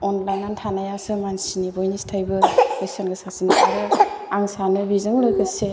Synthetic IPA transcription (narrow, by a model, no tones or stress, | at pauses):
ɔnlajnantʰanajasɯmansinibojnistʰajbɯbesanɡɯsasinikaɾɯaŋsanɯbizɯŋlɯjkʰɯse